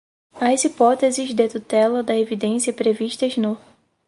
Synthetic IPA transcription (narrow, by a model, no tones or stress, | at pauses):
ɐzipɔt̪ezizd̪et̪ut̪ɛlɐd̪ɐevid̪ẽsijɐpɾeviʃt̪ɐzno